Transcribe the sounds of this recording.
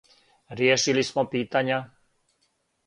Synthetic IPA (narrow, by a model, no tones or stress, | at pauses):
ɾɪɛʃilismɔpiːt̪aɲɪa